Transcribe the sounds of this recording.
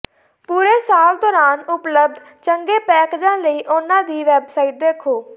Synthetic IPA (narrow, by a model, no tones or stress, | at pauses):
puːɾeːsaːld̪ɔːɾaːnʊpləb̚d̪ʱ | t͡ʃəŋɡeːpɛːked͡ʒãːləiːʔʊnãːd̪iːʋɛːbsaːiːʈ̚d̪eːkʰoː